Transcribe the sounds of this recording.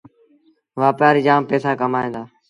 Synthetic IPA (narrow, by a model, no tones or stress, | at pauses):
ʋaːpjaːɾiːd͡ʒaːmpeːsaːkəmaːẽːd̪aː